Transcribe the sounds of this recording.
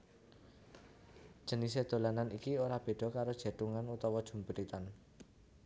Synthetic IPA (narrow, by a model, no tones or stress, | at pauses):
d̥ʒ̥ə̤nis̬ed̪̥o̤lananikioɾab̥e̤ɖ̥ɔ̤kaɾod̥ʒ̥e̤t̪uŋanut̪ɔwɔd̥ʒ̥ṳmbəɾit̪an